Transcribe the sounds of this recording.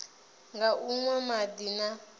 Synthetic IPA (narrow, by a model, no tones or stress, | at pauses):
ŋɡaʔuŋwamadina